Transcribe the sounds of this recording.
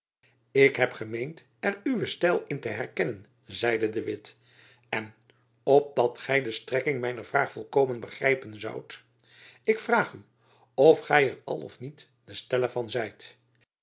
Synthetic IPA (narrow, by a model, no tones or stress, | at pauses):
ɪkɦɛpχəmejnt | ɛryʋəstɛlˠɪntəɦɛrkɛnən | zɛjdədəʋɪt | ɛn | ɔp̚dɑtχɛjdəstrɛkɪŋmɛjnəɹv̥raːχfɔlˠkoːwmənbəχrɛjpənzʌ̰wt | ɪkfraːχy | ɔfχɛjərɑ̰lˠɔ̰fnit | dəstɛləvɑnzɛjt